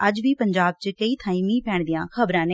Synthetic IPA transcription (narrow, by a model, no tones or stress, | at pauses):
əd͡ʒʋiːpəɲd͡ʒaːb̚t͡ʃkəiːt̪ʰaːiːmĩːpɛːɳd̪ijãːkʰəbɾãːneː